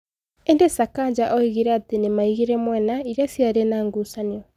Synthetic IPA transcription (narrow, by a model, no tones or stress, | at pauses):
endesakaɲd͡ʑaʔɔiɣiɾɛatenemaiɣiɾɛmwɛnaiɾasjaɾenaːŋɡusaniɔ